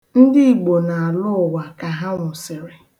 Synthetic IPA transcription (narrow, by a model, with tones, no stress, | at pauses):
n̩˦dɪ˦i˨ɡ͡bo˨na˨a˨lʊ˦ʊ˨wa˨ka˨ɦa˦ŋʷʊ˨sɪ˨ɾɪ˨